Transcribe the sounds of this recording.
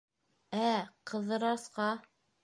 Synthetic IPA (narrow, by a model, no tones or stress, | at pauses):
æqʰɤ̆ðɤ̆ɾɑsqɑ